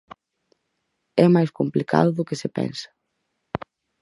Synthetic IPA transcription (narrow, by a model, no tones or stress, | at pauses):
ɛmajskomplikʰa̰ðʊðʊkɪsɪpɛ̰nsɐ̥